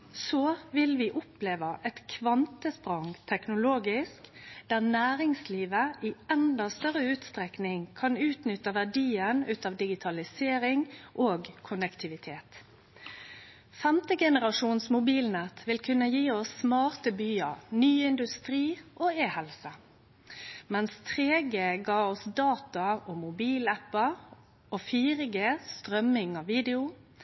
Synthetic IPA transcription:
soːʋɪlʋiːʔʊpleːʋəʔɛt̪kʰʋɑnt̪əspʁɑŋt̪ʰɛknʊloːɡɪskd̪̥æːʁnæːɾɪŋsliːʋəʔiɛnd̪ɑst̪œʁəʉːt̪st̪ʁɛknɪŋkʰɑnʉːt̪nʏt̪ːəʋæɖiːənʉːt̪ɑʋd̪ɪɡɪt̪ʰɑlɪseːɾɪŋʔoːɡkʰʊnəkt̪ʰɪʋɪt̪ʰeːt̪ | fɛmt̪əɡɛnəʁɑʂuːnsmʊbiːlnɛt̪ʰʋɪlkʰʉnːəjiːɔsːmɑːʁt̪əbyːənyːɪnd̪ʉst̪ʁiːʔoːeːhɛlsə | mɛnst̪ʰʁeːɡeːɡɑːɔsd̪ɑːt̪ɑɔmʊbiːlæpə | oːfiːʁɪɡest̪ʁœmːɪŋɑʋiːd̪ɪʊ

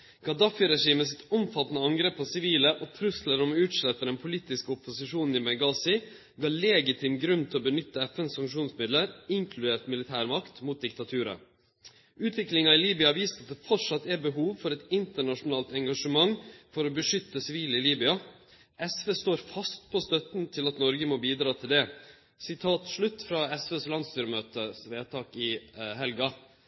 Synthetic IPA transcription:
ɡ̥ɑd̪ɑfɪɾɛʂiːməsɪt̪ɔmfɑt̪ːnəɑŋɡɾeːpːɔsɪʋiːləʔɔːt̪ʰɾʉsləɾɔmʉːt̪ʂlɛt̪ːəɖ̪ɛnpʰʊliːt̪ɪskəʊpʊsɪʂuːnn̩ɪmɛɡɑːsɪ | ɡɑːleːɡɪt̪ʰɪːmɡɾʉnt̪ʰɪlɔbənʏt̪ːəɛfɛnssɑŋkʂuːnsmɪd̪ləɾɪŋkʰlʉd̪eːʈ̪mɪlɪt̪ʰæːɾmɑkt̪muːt̪̚d̪ɪk̚t̪ɑt̪ʰʉːɾə̰ | ʉːt̪ʰʋɪklɪŋɑɪliːbʏɑʋiːsəɾɑt̪̚d̪ɛfɔʈʂɑt̪ːæɾbəɦuːʋfɔɾɛt̪ɪnt̪əɳɑʂʊnɑːlt̪ɛŋɡɑʂəmɑŋfɔɾɔbəʂʏt̪ːəsɪʋiːlɪliːbʏɑ | ʔɛsʋeːst̪oːɾfɑst̪pʰɔst̪œt̪nt̪ʰɪlɑt̪nɔɾɡəmɔbiːd̪ɾɑːt̪ʰɪld̪ɛ | sɪt̪ʰɑːt̪ʂɭʉt̪ːfɾɑɛsʋeːslɑnd̪st̪yːɾəmøːt̪əsʋeːt̪ʰɑːkɪɦɛlɡɑ

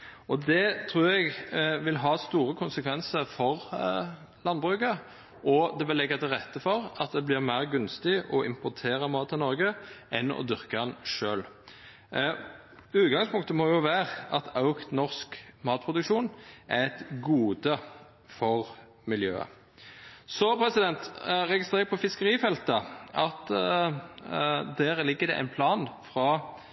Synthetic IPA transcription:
ɔd̪ɛt̪ʰʁuːɾɛɡʋɪlɦɑːst̪uːɾəkʰʊnsəkʰʋɛnsəɾfɔʁ | lɑnbʁʉːkə | ʔɔd̪ɛʋɪlːɛɡət̪ʰɪʁɛt̪ːəfɔʁɑt̪̚d̪ɛblɪʁmæɪʁɡʉnst̪ɪʔɔʔɪmpʊʁt̪ʰeːʁəmɑːt̪ːɪnɔʁɡəʔɛnɔ̰d̪ʏʁkəɑnʂøːl | ʉːt̪ɡɑŋspʊŋkt̪əmɔjʊʋæːʁɑt̪ɑʊknɔʁskmɑːt̪̚pʰʁʊd̪ʉkʃuːnʔæɛt̪ɡuːd̪ə | fɔʁ | mɪljø̰ːə̰ | sɔpʰɾɛsɪd̪ɛnt̪ʁɛɡɪst̪ʁeːʁpʰɔfɪskəʁiːfɛlt̪əɑt̪ | d̪æːʁlɪɡːəd̪ɛ̰ʔæ̰ɪnpʰlɑːnfʁɑ

